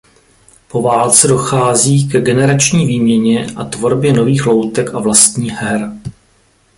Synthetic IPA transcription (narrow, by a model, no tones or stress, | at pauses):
po̞vaːlt͡sɛdo̞xaːziːkɛɡɛnɛɾat͡ʃɲiːviːmɲɛɲɛʔat̪vo̞ɾbjɛno̞viːxlo̞wt̪ɛkavlast̪ɲiːɦɛɾ